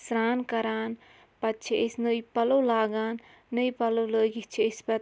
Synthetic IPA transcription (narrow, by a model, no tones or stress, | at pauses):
sɾaːnkɐɾaːn | pɐtːt͡ʃʰiʔesnəjpɐlowlaːɡaːnː | əjpɐlowləːɡit͡ʃʰiespɐ